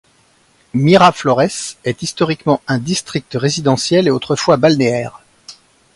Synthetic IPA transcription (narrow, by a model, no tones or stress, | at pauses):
miʁaflɔʁɛsɛt̪ist̪ɔʁikmɑ̃ɛ̃d̪ist̪χik̚t̪əʁezid̪ɑ̃sjɛleot̪χəfwabalneɛːʁ